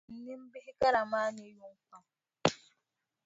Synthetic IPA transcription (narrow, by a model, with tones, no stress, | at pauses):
n̩˦ni˦m̩˦bi˦ɦi˦ka˦ɾa˨ma˦ɲe˦ju˦ŋ̩˦ka˦˨